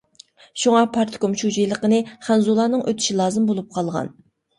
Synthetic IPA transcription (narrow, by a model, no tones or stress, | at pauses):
ʃuŋɑpʰɑɾt̪ʰkomʃud͡ʒijlˠəqənɨχɛnzulˠɑnɨŋʔøt̪ʰy̥ʃilˠɑːzɨmbolˠup̚qʰɑlˠʁɑ̰n